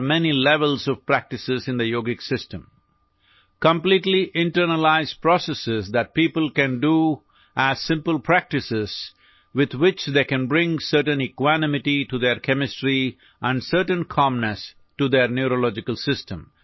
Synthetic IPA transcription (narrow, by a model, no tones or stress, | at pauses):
mɛnilɛʋəlzɔʋpɾæk̚ʈɪsɪzɪ̃nd̪əjoːɡɪksɪsʈə̃m | kə̃mpliʈliʔɪ̃ɳʈəɾnəlaɪzpɾɔsɛsɪzd̪æʈ̚piːpəlkæ̃nɖu | ʔæzsɪ̃mpəlpʰɾæk̚ʈɪsɪz̥ | ʋɪd̪wɪt͡ʃd̪eːkæ̃nbɾɪ̃ŋsəɾʈə̃nɪkwænɪmɪʈiʈud̪eɾkʰɛmɪsʈɾi | ʔæ̃ɳɖsəɾʈə̃nkʰɑ̃mnəs | ʈud̪eɾnjuɾolɔd͡ʒɪkəlsɪsʈə̃m